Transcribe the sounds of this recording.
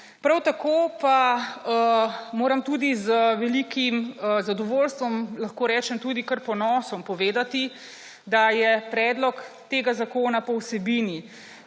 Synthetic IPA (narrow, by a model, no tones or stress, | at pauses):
pɾawt̪akoːpaəmoːɾɐmt̪uːd̪izəʋɛlikʰimzad̪ɔʋoːlst̪ʋɔmlaxkoːɾɛːt͡ʃɛmt̪uːd̪ikəɾpɔnɔːsɔmpɔʋeːd̪at̪i | d̪ajɛpɾɛːd̪lɔk | t̪eːɡazakoːnapɔwsɛbiːni